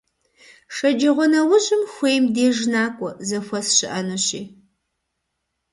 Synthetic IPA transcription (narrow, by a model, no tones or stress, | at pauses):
ʂɐd͡ʒɐʁʷɔnɐwʊɕɪmxʷeːjmdeːʒnaːkʷʼɔzɐxʷɐsɕɪʔɐnoɕiː